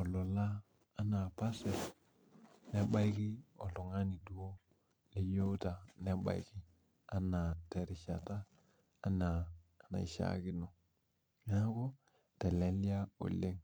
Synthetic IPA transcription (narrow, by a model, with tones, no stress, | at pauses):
ɔ˨lɔ˨laː˦ | na˨pa˦sɛ˨l | nɛ˦ɓa˦jki˦ɔ̰˨lʊ˨ŋa˦ni˨du˨wo˦ | le˦jo˦ta˨nɛ˦ɓa̰˨jkɪ˦ | a˦na˨tɛ˨ɾɪ˨ʃa˨taː˦ | na˨na̰˨ḭ˨ʃa̰˨kɪ˦no˨ | ɲa˦kɔ˦ | tɛ˨lɛ˨li˦a˦o̰˨le˦ŋ